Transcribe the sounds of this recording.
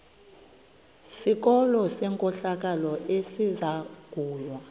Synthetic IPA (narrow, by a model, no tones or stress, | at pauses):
sik̬ɔlɔsɛːŋkʼɔɬak̬ʼalɔesizaɡ̥ʱuːlwa